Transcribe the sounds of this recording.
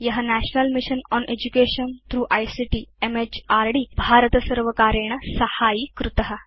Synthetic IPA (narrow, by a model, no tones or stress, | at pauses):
jɐɦanæɕnəlmiɕənɔnʔed͡ʑukeɕənt̪ɾuːʔajsiʈiːemet͡ɕaɾɖiːbʱaɾət̪əsəɾʋəkaɾeɳ̃əsɐhaːjiːkɾut̪əɦa